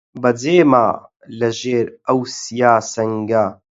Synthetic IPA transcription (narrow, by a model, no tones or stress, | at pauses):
bɐd͡zeːmaː | lɐʒeːɾɐwsijaːsɐŋɡa